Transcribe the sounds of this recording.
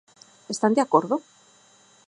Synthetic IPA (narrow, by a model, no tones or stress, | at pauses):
est̪and̪eako̞ɾðo